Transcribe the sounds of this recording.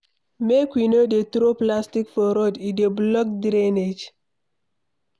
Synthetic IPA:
mekwinodet̪ɾoplastikfɔɾodideblɔk̚dɾened͡ʒ

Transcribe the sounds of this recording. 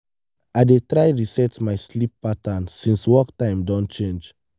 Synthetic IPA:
aɪdetɹaɪɹisɛtmaɪslip̚ːatãnsĩnswɔktãɪ̃mdɔ̃nt͡ʃẽnd͡ʒ

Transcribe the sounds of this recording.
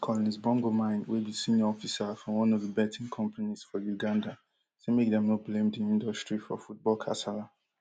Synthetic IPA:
kʰɔlɔnizbɔ̃ŋɡomãɪ̃nwibisĩnjɔɔfisafɹɔ̃mwɔ̃nɔvðəbɛtʰĩnkʰɔ̃mpaniz̥fɔjuɡãnda | semek̚dɛ̃mnoblẽmdiĩndɔstɹifɔ̰fut̚bɔlkʰa̰sala

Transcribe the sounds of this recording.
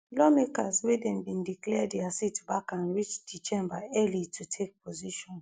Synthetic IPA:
lɔmekaswedɛ̃nbĩndiklɛdiasitbakãnɹit͡ʃdit͡ʃẽmbaɛlitʰutʰek̚pʰoziʃɔ̃n

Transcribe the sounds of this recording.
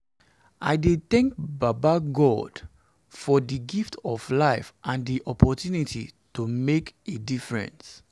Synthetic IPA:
ʔa̰ɪdeθɛ̃ŋk̚babaɡɔd̥ | fɔdiɡiftɔvlaɪfʔãndiʔɔpʰɔtjunitʰḭtumekedifɹɛ̰̃ns

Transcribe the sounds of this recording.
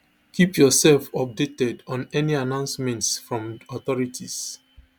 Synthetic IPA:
kʰipjɔsɛlfɔp̚detɛdɔ̃nɛnianãʊ̃nsmɛ̃ntsfɹɔ̃mɔt̪ɔɹitʰis

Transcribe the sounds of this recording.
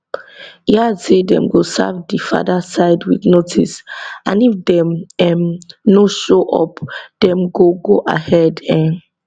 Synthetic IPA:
jasedɛ̰̃mɡosa̰vdifa̰dasaɪdwḭdnotʰisãnifdɛ̃mɛmnoʃoʔɔ̰pd̥ɛ̃mɡoɡoʔa̰hɛdɛ̃

